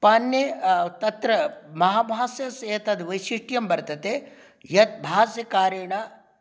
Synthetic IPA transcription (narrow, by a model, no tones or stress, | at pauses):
pɐnːjet̪ɐt̪ɾɐmɐɦaːbʱaːsjɐseːt̪ɐd̪ʋɐjʃiʂʈjɐmbɐɾt̪ɐt̪e | jɐt̪̚bʱaːsjɐkaːɾjɐɳa